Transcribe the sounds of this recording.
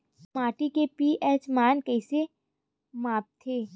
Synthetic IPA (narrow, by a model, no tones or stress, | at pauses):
maːʈikepiːʔɛːt͡ʃmaːnkɛːse | maːp̚t̪ʰeː